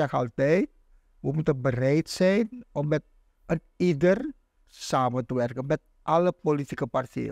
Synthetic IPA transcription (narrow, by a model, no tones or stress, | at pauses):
ɛxəɑlˠtɛjt̚ | ʋəmutənbərɛjtsɛjnɔmːɛt̚ | ən | idər | saːməntəʋɛrkənmɛt̚ | ʔɑləpolitikəpartɛ̰jə̰